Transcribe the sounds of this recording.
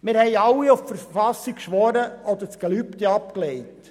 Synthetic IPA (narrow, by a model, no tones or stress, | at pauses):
mɪɾhɛɪɑwːiuffəɾffɑsikʃʋɔɾəɔd̪əɾt͡sɡ̥ɛlypt̪ɛɑpkleɪt